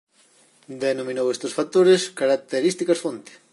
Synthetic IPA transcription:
d̪enomĩnowest̪osfat̪oɾeskaɾak̚t̪eɾist̪ikɐsfont̪e̥

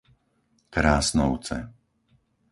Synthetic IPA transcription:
kɾaːsnɔʊt͡sɛ̰

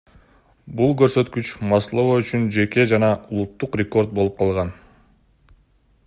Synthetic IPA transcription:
bulˠkø̞ɾsø̞t̪kyt͡ʃmɑslˠovayt͡ʃynd͡ʒe̞ke̞d͡ʒɑnɑulˠut̪ːuqrʲeko̞ɾd̪̚bo̞lˠup̚qʰɑlˠʁɑn

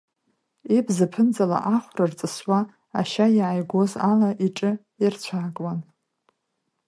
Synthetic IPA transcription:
ibzɨpʰɨnd͡zala̰ʔaχʷrart͡sʼɨswaː | ʃaiʕajɡʷo̞zalaʔiʈ͡ʂʼɨ | irt͡ɕʷʰaːkʼwan

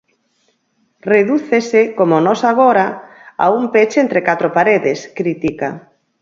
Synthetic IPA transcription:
reðuθesɪkomonɔsaɣ̞oɾaa̰umpet͡ʃent̪ɾekat̪ɾopaɾeðɪskɾit̪ika̰

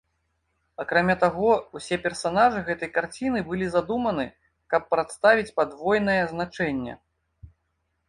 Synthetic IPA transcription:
akɾamʲat̪aɣɔusʲɛpʲɛrsanaʐɨɣɛt̪ɐjkart͡sʲin̪ɨbɨlʲizad̪umɐnɨ | kɐpːɾat̪st̪avʲit͡sʲpad̪vɔjn̪ɐjɛznat͡ʂɛnʲːɛ̰

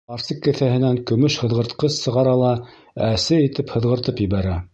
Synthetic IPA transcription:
ɑɾsɤkːɘ̆θæhɘ̆næŋkɵ̆mɵʃhɤ̆ðʁɤ̆ɾt̪qɤssɤ̆ʁɑɾɑlˠɑ | æsɘit̪ɘphɤ̆ðʁɤ̆ɾt̪ɤpjɘ̆βæɾæ

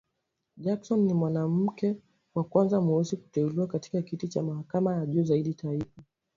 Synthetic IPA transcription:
ʄaksɔnːimwanam̩kɛ | wakwanzamuwɛziku̥tɛuliwakati̥kakitit͡ʃamahakamajaʄuːzaiɗitaifa

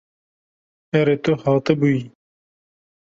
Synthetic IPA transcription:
ɛɾet̪ʊhɑːt̪ɨbui

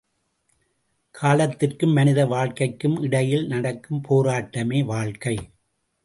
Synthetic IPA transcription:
kʰaːlɐt̪ːɪrkɯmːɐnɪðɐʋaːɭkɐɪkːɯmʔɪɽɐjɪlnɐɽɐkːɯmpʰoːɾaːʈːɐmeːʋaːɭkɐɪ

